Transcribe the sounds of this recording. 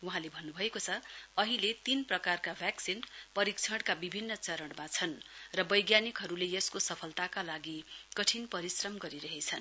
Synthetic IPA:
wuɦãlebʱʌnːubʱʌekot͡sʰʌʌɦilet̪inprʌkarkabʱjaksinpʌɾikt͡sʰʌɽkabibʱinːʌt͡sʌɾʌɽmat͡sʰʌnrʌbʌjɡjanikɦʌɾuleʌskosʌpʰʌlt̪akalaɡikʌʈʰinpʌɾisrʌmɡʌɾiɾʌɦet͡sʰʌn

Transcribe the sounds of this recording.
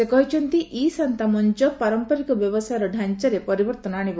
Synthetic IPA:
sekɔɦit͡ʃʰɔnt̪iʔisant̪amɔnt͡ʃɔpaɾɔmpɔɾikɔbjɔbɔsajɾɔɖʱaɲt͡ʃaɾepɔɾibɔɾt̪ɔnaɽ̃ib

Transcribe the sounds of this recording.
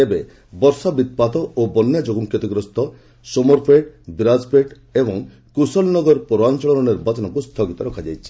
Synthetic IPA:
ebe | bɔɾsabid̪̚pat̪ɔobɔnːjad͡ʒoɡuŋkjɔt̪ɔɡɾɔst̪ʰɔ | sumɔɾpʰeʈb̪ɾaspɾeʈ | ebɔŋ | kusɔlnɔɡɔɾpɔɾoant͡ʃɔɭɔnɔniɾbat͡ʃɔnɔkust̪ʰɔɡit̪ɔɾɔkʰad͡ʒajt͡ʃʰi̥

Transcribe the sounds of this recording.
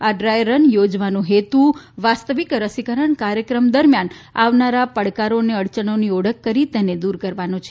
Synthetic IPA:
aɖɾajɾənjod͡ʒʋanũɦet̪uʋast̪əʋikɾəsikəɾəɳkaɾjəkɾəmd̪əɾmjan | aʋnaɾapəɽkaɾoneəɽt͡ʃəɳonioɽəkːəɾit̪ɛned̪uɾkəɾʋanut͡ʃʰe

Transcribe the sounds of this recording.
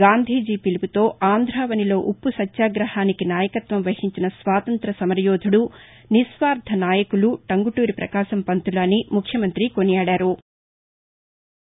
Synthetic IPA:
ɡaːnd̪ʱiːd͡ʒiːpiliput̪o̞ːaːnd̪ʱɾaːʋɐnilo̞ːʔupːusɐtːʃaːɡɾɐhaːnikinaːjɐkɐt̪ʋɐmʋɐhiɲt͡ʃinɐsʋaːt̪ɐnt̪ɾɐsɐmɐɾjɔːd̪ʱuɽu | nisʋaːɾd̪ʱɐnaːjɐkuluʈɐŋɡuʈuːɾipɾɐ̰kaːʃɐmpɐnt̪ulaːnimukʰjɐmɐnt̪ɾikonijaːɽaːɾu

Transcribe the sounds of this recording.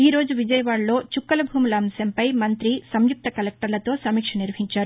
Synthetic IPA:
iːɾo̞ːd͡ʒuʋid͡ʒɐjɐʋaːɽlo̞ːt͡ʃukːɐlɐbʱuːmulɐːmsɐmpɐjmɐnt̪ɾisɐmjup̚t̪ɐkɐlɛk̚ʈɐɾlɐt̪o̞ːsɐmiːkʂɐniɾʋɐɦiɲt͡ʃaːɾu

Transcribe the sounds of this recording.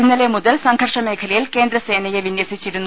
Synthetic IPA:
nːɐlemud̪elsɐŋkʰɐɾʂɐmeːkʰɐlijilkeːnd̪ɾɐseːnɐjeʋinjɐsɨt͡ɕiɾun

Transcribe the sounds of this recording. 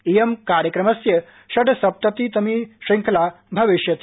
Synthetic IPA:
ijemkaɾjəkɾɐmɐsjə | ʃɐʈsɐp̚t̪ɐt̪it̪ɐmiʂiŋkʰla | bʱɐʋiʃjɐt̪

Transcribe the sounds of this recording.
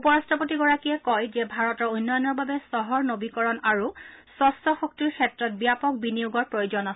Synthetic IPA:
upɔɹastʰɔpotiɡɔɹakiɛkɔjzɛbʱaɹɔtɔɹujnːɔjɔnɔɹbabɛsɔɦɔɹnobikɔɹɔnaɹusɔstɔxok̚tiɹkʰɛtɹɔt̚bijapɔk̚binijuɡɔɹpɹojuzɔnasɛ

